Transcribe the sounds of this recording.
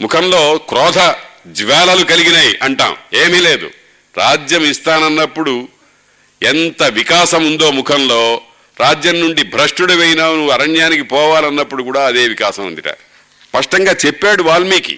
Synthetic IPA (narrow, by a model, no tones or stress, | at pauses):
mukʰɐnlo̞ːkɾɔːd̪ʱɐd͡ʒʋaːlɐlukɐliɡinaːjiʔɐɳʈa̰ːme̞ːmiːle̞ːd̪ṵ | ɾaːd͡ʒjɐmist̪aːnɐnːɐpːuɽu | ent̪ɐʋikaːsɐmund̪o̞ːmukʰɐnlo̞ː | ɾaːd͡ʒjɐmnuɳɖibʱɾɐʂʈuɽɐʋejinaːnuɐɾɐɳjaːnikipɔːʋaːlɐnːɐpːuɽukuːɽaːɐd̪e̞ːʋikaːsɐmund̪iʈɐ̰ | spɐʂʈɐŋɡaːt͡ʃepːaːɽuʋaːɭːmiːkḭ